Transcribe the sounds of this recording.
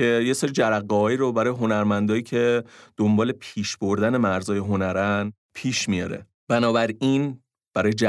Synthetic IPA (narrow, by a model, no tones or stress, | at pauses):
e̞jeseɾid͡ʒæɾæɣːɒɦɒːiːɾobæɾɒːjeɦo̞næɾmænd̪ɒːjiːcʰe̞d̪̥ombɒːle̞pʰiːʃb̥oɾd̪æne̞mæɾzɒːje̞ɦo̞næɾæn | pʰiːʃmijɒ̰ːɾḛ | b̥ænɒːbæɾin | b̥æɾɒːjed͡ʒæ